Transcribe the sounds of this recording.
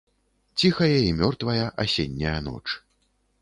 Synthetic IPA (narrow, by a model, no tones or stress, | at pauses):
t͡sʲixɐjɐimʲɔrt̪vɐjɐʔasʲenʲːɐjɐn̪ɔ̰t͡ʂ